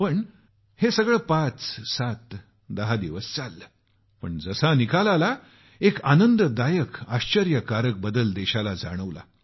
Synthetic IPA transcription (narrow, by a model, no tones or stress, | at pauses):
pəɳ | hesəɡɭəːpat͡ssat̪ | d̪əɦad̪iʋəst͡salːə | pəɳd͡zəsanikʰalala | ekanənd̪əd̪ajəkaɕt͡ɕəɾjəkaɾək̚bəd̪əld̪eɕalad͡za̰ɽ̃əʋla̰